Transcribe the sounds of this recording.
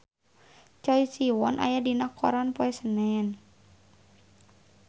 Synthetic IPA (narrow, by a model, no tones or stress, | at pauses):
t͡ʃɔisiwɔnʔa̰jadinakʰɔ̰ɾanpɔɛsənɛn